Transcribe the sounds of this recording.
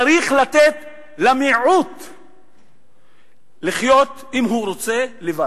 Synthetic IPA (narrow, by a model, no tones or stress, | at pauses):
aɾiχlat̪et̪ | lamiʕut̪ | liχjo̞t̪ | imɦuɾo̞t͡se̞leva